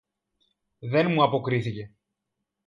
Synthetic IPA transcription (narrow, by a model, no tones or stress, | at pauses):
ðe̞nmuɐpokɾiθice̞